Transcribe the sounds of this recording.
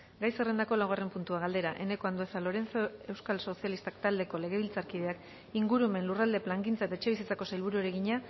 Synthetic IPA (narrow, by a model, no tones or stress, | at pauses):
ɡajsere̞nd̪ako̞lawɣ̞are̞mpunt̪uaɣ̞ald̪e̞ɾaʔe̞ne̞ko̞and̪oe̞salo̞ɾe̞nt͡soe̞wskalso̞sijalist̪akt̪ald̪e̞ko̞le̞ɣ̞e̞β̞ilt͡saɾkið̞e̞ak | iŋɡuɾume̞nlurald̪e̞plaŋɡint͡saet̪aet͡ʃe̞β̞isit͡sako̞sajlβ̞uɾueɾe̞ɣiɲa